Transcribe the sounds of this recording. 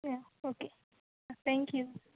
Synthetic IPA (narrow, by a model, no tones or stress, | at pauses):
jaoke | at̪ɛ̃ŋkʰju